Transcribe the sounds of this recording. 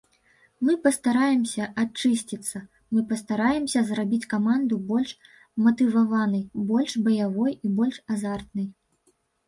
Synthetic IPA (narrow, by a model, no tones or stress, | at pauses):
mɨpɐst̪aɾajɛmsʲɐʔat͡ʂɨsʲt͡sʲit̪sːɐ | mɨpɐst̪aɾajɛmsʲɐzrabʲit͡sʲkamand̪ubɔlʲʂ | mɐt̪ɨvavanɨjbɔlʲʂbɐjavɔjibɔlʲʂazart̪nɨj